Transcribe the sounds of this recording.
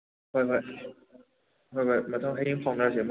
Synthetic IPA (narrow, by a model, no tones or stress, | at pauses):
xweɪxweɪ | xweɪxwemat̪ʰʊŋxeiŋpʰɑŋt̪ət͡ɕjɛmu